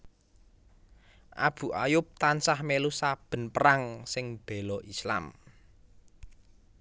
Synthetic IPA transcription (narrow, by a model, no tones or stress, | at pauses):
ʔa̰b̥ṳʔajʊp̚t̪ansahmelusab̥ə̤npəɾaŋsɪŋb̥e̤lɔʔisla̰m